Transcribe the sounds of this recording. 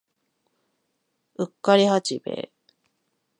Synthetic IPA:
ɯkːaɾʲihat͡ɕibe̞̰ː

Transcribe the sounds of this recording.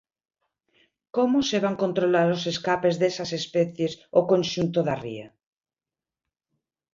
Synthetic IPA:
komoseβ̞aŋkont̪ɾolaɾoseskapezðesasespɛθjesokonʲʃunt̪oðarḭa

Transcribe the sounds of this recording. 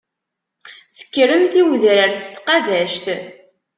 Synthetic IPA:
θə̥kːɾəmθiwðɾəɾst̪qɑðæʃt̪

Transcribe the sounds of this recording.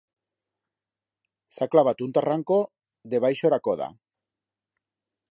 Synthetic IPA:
saklaβat̪unt̪araŋko̞ | ðe̞βajʃo̞ɾako̞ða̰

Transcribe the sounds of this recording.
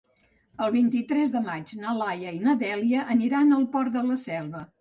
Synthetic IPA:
əlˠβint̪it̪ɾɛzðəmad͡ʒnəlajəinəðɛliəʔəniɾanəlˠpɔɾt̪d̪ələsɛlˠβə

